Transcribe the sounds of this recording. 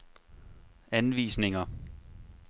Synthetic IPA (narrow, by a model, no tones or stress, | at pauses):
ænʋḭːsne̝ŋɐ